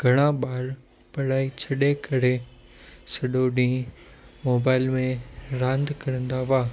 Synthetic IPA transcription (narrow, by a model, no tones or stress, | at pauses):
ɡʱɐɽ̃ãɓaːɾ | pɐɽaːit͡ɕʰɐɗekɐɾe | sɐɗoɗĩː | moːbaːɪlmẽɾãːnd̪kɐɾə̃nd̪aʋaː